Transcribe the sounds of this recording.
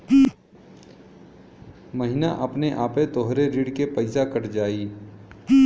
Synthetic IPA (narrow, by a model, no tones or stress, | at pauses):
mɐɦɪnaʔɐpneʔaːpet̪oɦɾeɾiːɽkepɐɪsakəʈd͡ʒaːiː